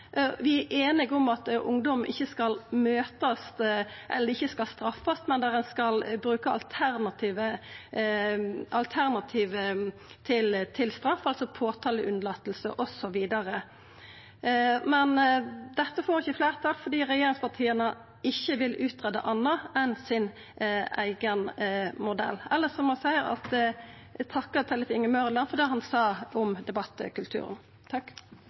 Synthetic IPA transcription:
ʋɪæʔeːnɪɡɔmɑt̪ʔʊ̰ŋd̪ɔmʔɪ̰çːəskɑlmøːt̪ɑst̪ʔɛ̰lːəɾɪçːəskɑlst̪ɾɑfːɑst̪mɛnd̪æʁɛnskɑlbɾʉːkəɑ̰lt̪ʰæɾnɑt̪ʰiːʋə | ɑlt̪ʰæʁnɑt̪ʰiːʋə | t̪ʰɪlt̪ʰɪlst̪ɾɑfːɑlsɔpʰoːt̪ʰɑːləʔʉnəlɑt̪ːəlsəʔɔsɔʋiːd̪ɑɾə | mɛnd̪ɛt̪ːəfoːʁɪçːəfleːʁt̪ʰɑːlfɔd̪iːʁɛjeːɾɪŋspɑʁt̪ʰiːənə | ɪçːəʋɪlʔʉːt̪ʁɛd̪ə̰ʔɑnːəɛnsɪn | æ̰ɪɡənmʊd̪ɛ̰lːɛlːəsɔmɑsæɪəɾɑ̰t̪ | t̪ʰɑkːət̪ʰɛləfɪŋəmœʁlɑnfɔd̪eːɦɑnsɑːɔmd̪ɛbɑt̪ːə̰kʉlt̪ʰʉ̰ːɾə̰n | t̪ʰɑkː

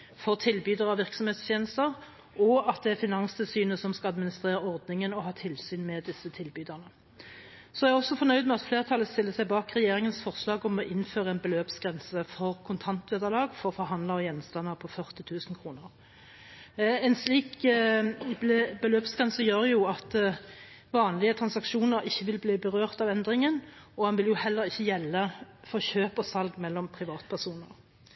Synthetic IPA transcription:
fɔʁt̪ʰɪlbyːd̪əʁɑʋɪʁksɔmheːt̪st̪jeːnəst̪əʁ | ɔɑt̪̚d̪ɛæʁfɪnɑnst̪ʰɪlsyːnəsɔmskɑɑd̪mɪnɪst̪ʁeːʁəɔʁd̪nɪŋənɔɦɑːt̪ʰɪlsyːnmɛd̪ɪsːət̪ʰɪlbyːd̪əʁnə | sɔæɛɔsːɔfɔʁnœʏd̪mɛɑt̪fleːʁt̪ʰɑlːəst̪ɪlːəsæɪbɑːkʁɛjeːɾɪŋənsfɔʁslɑːɡɔmɔʔɪnføːɾəɛɪnbəløːpsɡʁɛnsəfɔʁkʰʊnt̪ʰɑnt̪ʋeːd̪əʁlɑːɡfɔɾɔfɔɾɦɑnd̪ləɔjɛnst̪ɑnːɑpʰɔfœʁt̪ɪt̪ʰʉːsnkʰʁuːnəʁ | ɛnsliːk | bəløːpsɡʁɛnsəjøːʁjʊɑt̪ | ʋɑːnlɪət̪ʰɾɑnsɑkʂuːnəɾɪçːəʋɪlbliːbəʁøːʁt̪ɑʋɛnd̪ʁɪŋənɔhɑnʋɪljʊhɛlːəɾɪçːəjɛlːəfɔʁçøːpɔsɑlɡmɛlːɔmpʰʁɪʋɑːt̪pʰæʁsuːnəʁ

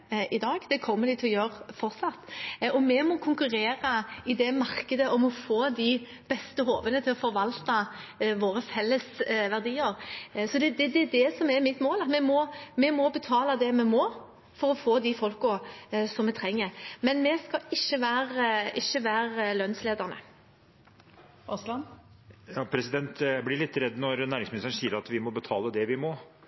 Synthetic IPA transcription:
ʔɪd̪ɑːɡd̪̥ɛkʰɔmːəd̪ɪt̪ʰɔjøːɾfɔʁsɑt̪ːɔmɛmɔkʰʊŋkʉɾeːɾəɪd̪ɛmɑɾkəd̪əɔmɔfoːd̪ɪ | b̥ɛst̪əɦoːʋənət̪ʰɪlɔfɔɾʋɑlt̪ɑ | ʋoːɾəfɛlːəsʋæʁd̪iːəɾsɔd̪ɛd̪ɛd̪ɛd̪ɛsɔmɛɾmɪt̪moːlɑt̪mɛmɔmɛmɔbət̪ʰɑːlɑd̪ɛmɛmɔː | fɔɾɔfoːd̪ɪfɔlkʊsɔmɛt̪ʰɾɛŋːəɾmɛnmɛskɑɪʃːəʋæːɾɪçːəʋæːɾlœnsleːd̪əʁnə̰ | ɔslɑn | jɑːpʰɾɛsɪd̪ɛnt̪blɪɭɪt̪ːɾɛd̪ːnɔɾnæːɾɪŋsmnɪst̪əɾnsiːəɾɑt̪ʋɪmɔbət̪ʰɑːləd̪ɛʋɪmɔː

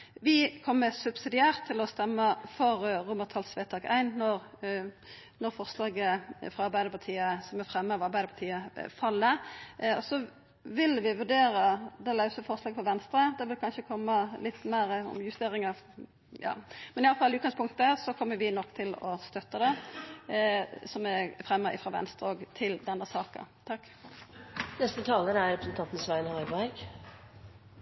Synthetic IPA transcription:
ʋɪkʰɔmːəsʉbsɪd̪ɪæːʁt̪ʰːɪlɔst̪ɛmːəfɔɾʁʊməʁt̪ʰɑlt̪sʋeːt̪ʰɑːkæ̰ɪnnɔʁ | nɔɾfɔʁslɑːɡəfʁɑɑɾbæɪəpʰɑt̪ʰiːəsɔmɛfɾɛmːəɑʋɑɾbæɪd̪əpʰɑt̪ʰiːəfɑlːəɔsɔ | ʋɪlʋɪʋʉɖ̪eːɾəd̪ɛlɑʉsəfɔʁslɑːɡəfɔʋɛnst̪ɾəd̪ɛʋɪlkʰɑnʃəkʰɔmːəlɪt̪ːmæːɾəɔ̰mjʉst̪eːɾɪŋɑ | jɑ̰ːmɛnɪɑləfɑlɪʉːt̪̚ɡɑŋspʰʊŋkt̪əsɔkʰɔmːəɾʋɪnɔkːt̪ʰɪlɔ̰st̪œt̪ːəd̪ɛ | sɔmæɾfɾɛmːəɪ̰fɾɑʋɛ̰nst̪ɾəoːɡt̪ʰɪld̪ɛnːəsɑːkə̰t̪ʰɑkː | nɛst̪ət̪ʰɑːləɾæɾɾɛpɾəsən̩t̪ʰɑnt̪n̩sʋæɪnhɑʏbæɾɡ

